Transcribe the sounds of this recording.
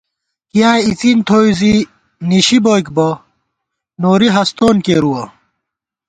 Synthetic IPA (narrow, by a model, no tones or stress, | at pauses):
kijaːit͡sint̪ʰoːizi | niɕibojkbo | noːɾiɦɐst̪oːnkeːɾuwɐ